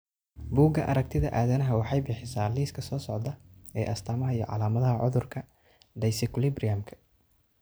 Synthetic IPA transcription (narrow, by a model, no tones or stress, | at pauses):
buːɡɐʔɐɾɐk̚t̪ʰɪðɐ̰ʔaːðɐnɐɦɐwɑħɑjbiːħɪsaːliːskʰɐsɔːsɔʕd̪ɐɛːʔɐst̪ʰaːmɐɦɐijɔ̰ʕɑ̰laːmɐðɐɦɐʕʊðʊrkʰɐ | d̪ɐjsɪklɪbriɐmkʰɐ̥